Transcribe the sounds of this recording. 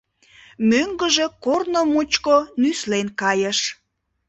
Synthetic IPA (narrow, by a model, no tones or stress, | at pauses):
møŋɡəʒe̽kornomut͡ɕkonyslenkɑjəʃ